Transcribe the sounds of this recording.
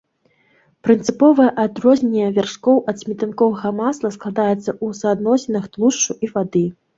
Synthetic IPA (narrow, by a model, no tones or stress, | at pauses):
pɾɨnt̪sɨpɔvɐjɐʔad̪ɾɔzʲnʲeɛvʲarʂkɔwʔɐt̪sʲmʲɛt̪ɨnkɔvɐɣɐmaslˠɐsklˠad̪ajɛt̪sːɐʔusɐad̪nɔsʲɛnɐxt̪lˠuʂt͡ʂuʔivad̪ɨ